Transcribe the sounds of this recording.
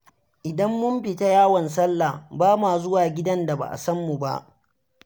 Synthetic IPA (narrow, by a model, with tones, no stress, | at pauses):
ʔɪ˨dɐ˦mːʊ˦mɸɪ˨ta˦jaː˦wɐ˨ns̬ɐ˦lːa˨baː˦maː˨zʊ˦waː˨ɡʲɪ˦dɐ˦nda˨ba̰˨ʔa̰˨sɐ˦mːu˨ba̰˦ʔ